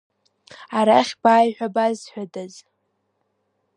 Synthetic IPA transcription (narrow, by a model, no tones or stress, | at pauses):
aɾaχʲb̥aːjħʷᶣabazħʷᶣadaz